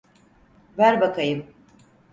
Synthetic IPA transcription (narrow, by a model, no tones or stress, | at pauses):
væɾbakʰajɯm